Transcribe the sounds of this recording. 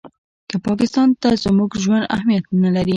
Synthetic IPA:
kəpɑkɪst̪ɑnt̪azmuɡʒwand̪a̰hmijat̪nalaɾi

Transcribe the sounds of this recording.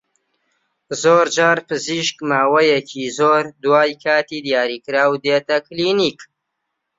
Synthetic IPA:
zoːɾd͡ʒaːɾpɨziːʃkmaːwɐjɛcʰizoːɾd̪waːjkʰaːt̪id̪ijaːɾiːkɨɾaːwd̪eːt̪ɐkliːniːk

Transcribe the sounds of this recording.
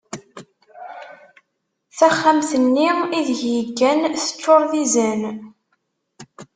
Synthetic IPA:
θæχːamθənːiiðjəɡːænθə̥t͡ʃːoɾˤðizən

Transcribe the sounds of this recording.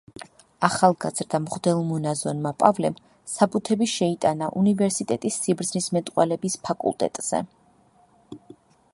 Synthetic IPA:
aχalˠɡaz̥ɾd̪amʁd̪ɛlˠmɔnazɔnmapʼavlɛm | sapʼut̪ʰɛbiʃɛit̪ʼanaʔunivɛɾsit̪ʼɛt̪ʼisːibɾd̪znismɛt̪ʼqʼwɛlɛbispʰakʼṵlˠt̪ʼɛ̰t̪ʼz̥ɛ̰

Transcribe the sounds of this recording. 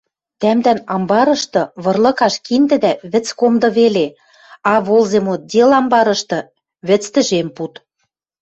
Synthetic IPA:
t̪æmd̪ænɑmbɑɾɤ̆ʃt̪ɤ̆βɤ̆rlˠɤ̆kɑʃkind̪ɘ̆d̪æβɘ̆t͡skomd̪ɤ̆βele | ɑβolzemot̪̚d̪ʲelɑmbɑɾɤ̆ʃt̪ɤ̆ | βɘ̆t͡st̪ɘ̆ʒemput̪

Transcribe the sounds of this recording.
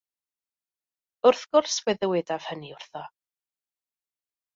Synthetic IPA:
ʊrθɡ̥ʊrswɛðəwɪdav̥həniʊr̥θɔ

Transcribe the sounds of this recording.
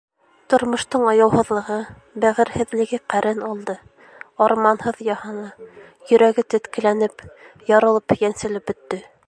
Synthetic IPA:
t̪ŏɾmŏʃt̪ɤɴɑjɑwhɤ̆ðlˠɤ̆ʁɤ | bæʁɘ̆ɾhɘ̆ðlɘ̆ɡɘqæɾʔɘnɑlˠd̪ɤ | ɑɾmɑnhɤðjɑhɑnɑ | jɵ̆ɾæɡɘt̪ɘ̆t̪kɘ̆lænɘpjɒɾɤ̆lˠɤpjænsɘ̆lɘp̚bɵ̆t̪ːɘ

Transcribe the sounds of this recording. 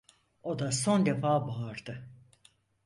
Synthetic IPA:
o̞d̪aso̞nd̪e̞faːbaːɾd̪ɯ

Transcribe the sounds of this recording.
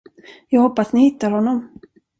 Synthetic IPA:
jɑːɡhɔpːasnɪhɪt̪ːaɾhɔnːɔm

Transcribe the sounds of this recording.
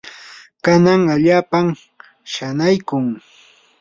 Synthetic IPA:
kanaŋaʎaːpam | ʃanajkʊŋ

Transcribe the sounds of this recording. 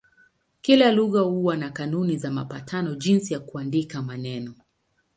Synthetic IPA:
kilaluɣahuwanakanunizamapatʰanɔʄinsijakuandikamanɛnɔ

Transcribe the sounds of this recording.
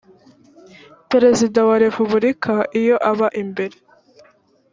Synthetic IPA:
pe̞ɾe̞zidawaɾe̞puβuɾikʰaʔijo̞ʔaβaʔimbe̞ɾe̞

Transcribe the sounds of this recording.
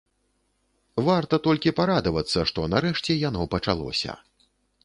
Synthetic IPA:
vart̪ɐt̪ɔlʲkʲipaɾad̪ɐvɐt̪sːɐʂt̪ɔnaɾɛʂt͡sʲɛjanɔpɐt͡ʂalˠɔ̰sʲɐ̰

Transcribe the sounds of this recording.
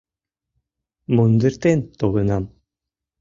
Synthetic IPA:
mund̪ɯɾt̪ɛnt̪olɯnam

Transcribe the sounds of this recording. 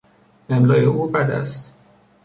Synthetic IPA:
emlɒːjeʔuːbæd̪æ̰st̪

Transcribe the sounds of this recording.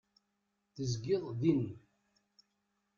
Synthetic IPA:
θəzɡɪðˤðin

